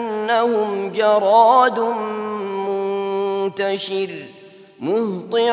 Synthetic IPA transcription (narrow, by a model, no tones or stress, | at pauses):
nːahʊmd͡ʒɑɾˤɑːd̪ | mʊnt̪aʃɪɾ | mʊht̪ˤɨ